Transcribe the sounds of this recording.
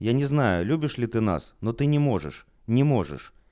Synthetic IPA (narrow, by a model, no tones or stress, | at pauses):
janʲɛznajulʲubʲiʂlʲit̪ɨna̰snɔt̪ɨnʲɛmɔʐɛ̰ʂ | nʲɛmɔʐɛ̰ʂ